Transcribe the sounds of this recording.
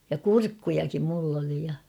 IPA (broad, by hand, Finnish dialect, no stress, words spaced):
jɑ kurkːujɑkim mulː oli jɑ